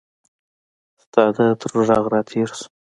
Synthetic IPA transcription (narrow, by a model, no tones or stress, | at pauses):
st̪ɑːd̪at̪əɾuʒɑːɣɾɑt̪ʰeːɾsu̥